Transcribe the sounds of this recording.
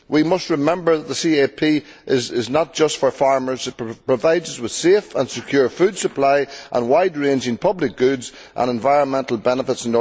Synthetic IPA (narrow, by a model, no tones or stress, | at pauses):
wimʌst̚ɹɪmɛ̃mbə˞ðət̪̚ðəsiepʰi | ʔɪzɪznət̚d̥ʒ̥ʌstfə˞faɹmə˞zɨt̚pɹ̥əvaɪdzʌzwɪð̥sefə̃nsɪkʰj̥ʊːɹfʉd̥səpʰl̥aɪʔə̰̃nwaɪd̚ɹẽnd͡ʒɪ̃ŋpʰʌblɪk̚ɡ̥ʉdz | ʔə̰̃ñɛ̃ɱvaɪɹə̃nmɛ̃ntəl̩ˠbɛnəfɪtsɪ̃no